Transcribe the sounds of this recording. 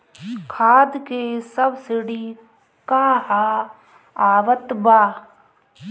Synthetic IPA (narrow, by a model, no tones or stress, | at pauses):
kʰaːd̪kesəbsɪɽi | kaːɦa | aːʋət̪baː